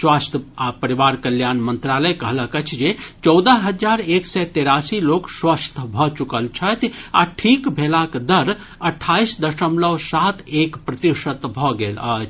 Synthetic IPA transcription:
swast̪ʰəapəɾiʋaɾkəljanmənt̪ɾaləjkəɦləkət͡ʃʰd͡ʒet͡ʃɔwd̪əɦɦəd͡ʒaɾeksɛt̪eɾasilokswast̪ʰbʱɔt͡ʃukəlt͡ʃʰət̪ʰaʈʰikbʱelakd̪əɾ | əʈʰːaisd̪əʃəmləʋsat̪ʰekpɾət̪iʃət̪bʱɔɡelət͡ʃʰ

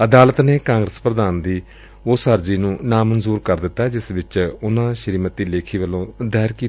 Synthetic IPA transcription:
əd̪aːlət̪neːkãːŋɡɾəspɾəd̪aːnd̪iː | ʊsɦəɾd͡ʒiːnũːnaːmənzuːɾkəɾd̪ɪt̪ːaːɛːd͡ʒɪsʋɪt͡ʃʊnãːʃəɾiːmət̪iːleːkʰiːʋəlõːd̪ɛːɾkiː

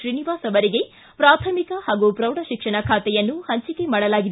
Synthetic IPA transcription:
ʃɾiniʋaːsɐʋɐɾiɡe̞ | pɾaːt̪ʰɐmikɐhaːɡupɾɐwɽɐʃikʂɐɳɐkʰaːt̪ɛjɐnːuhɐɲt͡ʃike̞maːɽɐlaːɡid̪

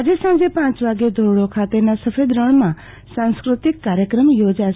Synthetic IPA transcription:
əd͡ʒesə̃d͡ʒepãːt͡ʃʋaːɡed̪ʱoːɾɽõkʰaːt̪enasəpʰeːd̪ɾəɳ̃mã | sãːnskɾʊt̪ɪkːaːɾjəkɾəmjoːd͡ʒa

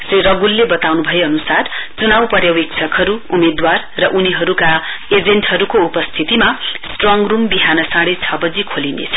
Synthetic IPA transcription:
srirʌɡulːebʌt̪awnubʱʌjeʌnusart͡sunawpʌɾjawiksʰʌkɦʌɾuumed̪warːʌʔuniɦʌɾuka | ed͡zeɳʈhʌɾukoupʌst̪ʰit̪imasʈrɔŋrumbiɦanʌsãɽet͡sʰʌbʌd͡zikʰolinḛt͡sʰʌ̥

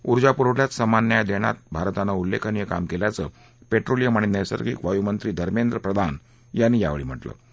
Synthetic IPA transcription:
uɾd͡ʑapuɾoɭjat̪səmanːjad̪eɽ̃a̰t̪̚bʱaɾt̪anaulːekʰanijəka̰mkeljat͡sə̰ | peʈɾolijəmaɳ̃inəsə̰ɾkʰḭːkʋajumənt̪ɾiːd̪ʱəɾmend̪ɾəpɾəd̪ʱan | janːiːja̰ʋḛɭiːm̤əʈlə̰ː

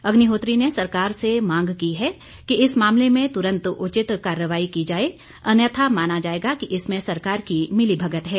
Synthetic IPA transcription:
ɐɡniɦoːt̪ɾinesɐɾkaːɾsemãːŋɡkiɦɛ | kiɪsmaːmlemẽt̪ʊɾə̃nt̪ʊt͡ʃɪt̪kaːɾːəʋaːikid͡ʒaːe | ɐnjət̪ʰamaːnad͡ʒaːeːɡakiʔɪsmẽsɐɾkaːɾkimɪlibʱɐɡət̪ɦɛː

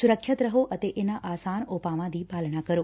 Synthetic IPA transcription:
sʊɾəkɕət̪ɾəɦoʔət̪eʔenaʔaːsaːnoːpaʋãd̪ʱibʱaːlɽakəɾoː

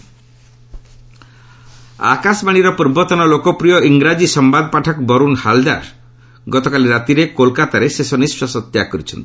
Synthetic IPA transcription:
a̰kasbaɽ̃iɾɔpɔɾbɔt̪ɔnɔlokɔpɾijɔiŋɡɾad͡ʒisɔmbad̪paʈʰɔkbɔɾunhald̪a̰ɾ | ɡɔt̪ɔkaliɾat̪iɾekolkat̪aɾesesɔnisɔsɔt̪jakɔɾit͡ʃʰɔ̰nt̪i̥

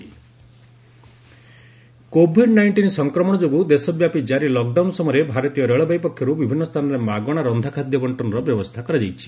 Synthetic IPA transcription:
kobʱiɖnajɳʈinsɔŋkɾɔmɔɽ̃ɔd͡ʒoɡud̪esɔbjapid͡ʒaɾilɔk̚ɖawnsɔmɔjɾebʱaɾɔt̪ijɔɾeɭɔbajpɔkʰːjɔɾubibʱinːɔst̪ʰanɔɾemaɡɔɽ̃aɾɔnd̪ʱakʰad̪jɔbɔɳʈɔnɔɾɔbjɔbɔst̪ʰakɔɾad͡ʒajt͡ʃʰi̥

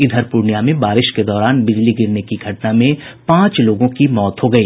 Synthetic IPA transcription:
ɪd̪ʱəɾpuɾnjamẽbaːɾɪʃked̪ɔːɾaːnbɪd͡ʒliɡɪɾnekiɡʱɐʈnamẽpãːt͡ʃloːɡõkimɔːt̪ɦoɡɐiː

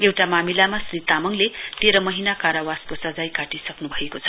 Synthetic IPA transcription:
ewʈamamilamasrit̪amʌŋlet̪eɾʌmʌɦinakaɾawaskosʌd͡zajkaʈisʌknubʱʌekot͡sʰʌ̥

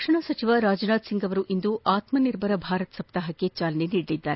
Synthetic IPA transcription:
kʂɐɳɐsɐt͡ʃiʋɐɾaːd͡ʒnaːd̪siŋɡɐʋɐɾuʔind̪uʔaːt̪mɐniɾbʱɐɾɐbʱaːɾɐt̪sɐp̚t̪aɦɐkːet͡ʃaːlɐneniːɽlid̪ːaːɾe

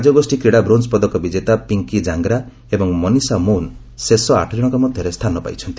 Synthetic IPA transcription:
ad͡ʒɔɡɔsʈikɾiɽabɾonspɔd̪ɔkɔbid͡ʒet̪apiŋkid͡ʒaŋɡɾa | ebɔŋmɔnisamon | sesɔa̰ʈʰɔd͡ʒɔɽ̃ɔŋkɔmɔd̪ʱjɔɾest̪ʰanɔpa̰jt͡ʃʰɔnt̪i̥

